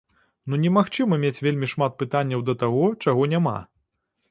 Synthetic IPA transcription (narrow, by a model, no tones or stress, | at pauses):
nunʲɛmaxt͡ʂɨmɐmʲet͡sʲvʲelʲmʲiʂmat̪̚pɨt̪anʲːɐwd̪ɐt̪aɣɔt͡ʂaɣɔnʲama̰